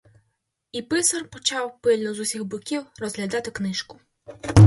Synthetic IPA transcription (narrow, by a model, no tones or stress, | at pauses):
ipɪsɐrpɔt͡ʃɑwpɪlʲnɔzusʲiɣbʊkʲiwrɔzɦlʲad̪ɑt̪ɪknɪʃkʊ̥